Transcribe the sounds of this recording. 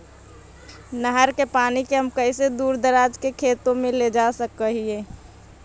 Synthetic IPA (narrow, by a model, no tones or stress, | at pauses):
nəɦəɾkepaːnikeɦəmkəɪsed̪uːɾd̪əɾaːd͡ʒkekʰeːt̪õmẽled͡ʒasəkəɦiẽ